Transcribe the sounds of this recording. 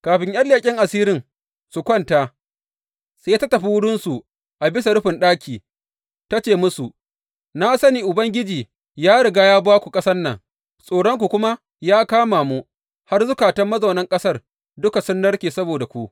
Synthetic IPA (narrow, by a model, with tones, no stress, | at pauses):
kaː˨ɸɪ˨ɲjɐ˦lːeː˨kʲʼɪ˦ŋʔa˨siː˦ɾɪ˦ŋ | su˨kʷɐ˦nta˦ | seː˦ja˦ta˦tɐ˨ɸi˦wʊ˦ɽʊ˦nsu˨ | ʔa˨bɪ˦s̬a˨ɽʊ˦ɸɪ˨nɗaː˦kʲiː˨ | ta˦t͡ʃeː˨mʊ˦su˨ | na˦sɐ˦niː˨ʔʊ˨bɐ˦ŋɡʲɪ˦d͡ʒiː˨ | jaː˦ɽɪ˨ɡaː˦jaː˦baː˦kʷu˨kʼɐ˦sɐ˦nːɐ̰˨ŋ | sʼoː˨ɽɔ˦ŋkʷu˨kʷʊ˦ma˦ | jaː˦kaː˦maː˨mu˦ | ha˦rzʊ˦kaː˨tɐ˦mːɐ˦zɐ˨wnɐ˦ŋkʼɐ˦sɐ˦r | dʊ˦ka˨sʊ˦nːɐ˦ɽkʲiː˨sɐ˦boː˨da˨kʷu˦ʔ